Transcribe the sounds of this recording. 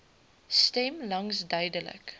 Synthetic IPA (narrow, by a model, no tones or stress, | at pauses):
stɛmlɐŋsdœɥdələ̰k